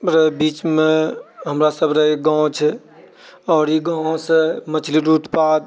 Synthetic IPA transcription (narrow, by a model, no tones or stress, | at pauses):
ɾəɦbiːt͡ʃmẽɦəmɾasəbʱɾəɦeɡãt͡ʃʰɛ | ɔːɾiɡãsemət͡ʃʰliɾut̪pad̪̚